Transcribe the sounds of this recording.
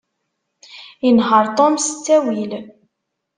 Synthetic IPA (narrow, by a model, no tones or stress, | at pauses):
inɦəɾˤt̪ˤomsə̥t͡sːæwil